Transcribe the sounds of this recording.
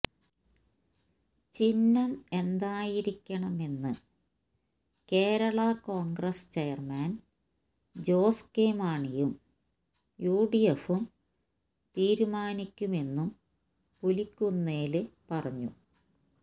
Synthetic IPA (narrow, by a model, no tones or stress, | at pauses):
t͡ɕinːɐme̞nd̪aːjiɾikʲːɐɳɐme̞nːɨ | ke̞ːɾɐɭɐko̞ːŋɡrɐst͡ɕejɐrmaːn | d͡ʑo̞ːskeːmaːɳijum | juːɖijefum | t̪iːɾumaːnikʲːume̞nːum | pulikʲːunːeːlɨpɐrɐɲːṵ